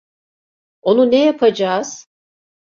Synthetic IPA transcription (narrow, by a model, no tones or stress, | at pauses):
o̞nunejapʰad͡ʒaːz̥